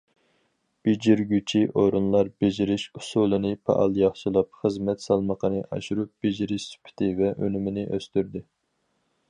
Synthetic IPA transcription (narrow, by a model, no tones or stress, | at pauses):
b̥ed͡ʒiɾɡʲyt͡ʃʰiʔoɾunlˠɑɾbed͡ʒiɾɪʃusulˠɨnɨpʰɑ̰ʔɑ̰lˠjɑχʃɨlˠɑp̚χəzmɛt̪sɑlˠməqʰənɨʔɑ̰ʃuɾup̚b̥ed͡ʒiɾɪʃsy̥pʰɪ̥t̪ʰɪvɛʔø̰nymɪnɪʔøst̪yɾd̪ɪ